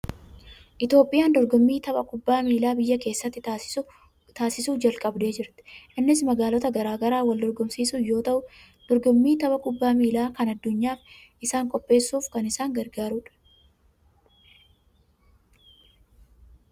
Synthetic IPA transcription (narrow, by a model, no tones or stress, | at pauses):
ʔɪt̪jo̞ːpʼːɪjaːnd̪ɔɾɡɔmːiːt̪ɐbɐkʼʊbːaːmiːlaːbɪjːɐke̞ːsːɐt̪ːɪ | t̪aːsɪsuːd͡ʒɐlkʼɐbd̪e̞ːd͡ʒɪɾt̪ɪ̥ʔɪnːɪsmɐɡaːlɔt̪ɐɡɐɾaːɡɐɾaːwɐld̪ɔɾɡɔmsiːsʊjo̞ːt̪ɐʔʊ | d̪̥ɔɾɡɔmːiːt̪ɐbɐkʼʊbːaːmiːlaːkɐnɐd̪ːʊɲːaːfʔɪsaːŋkʼɔpʼːe̞ːsːuːfkɐnɪsaːŋɡɐɾɡaːɾuːᶑɐ̥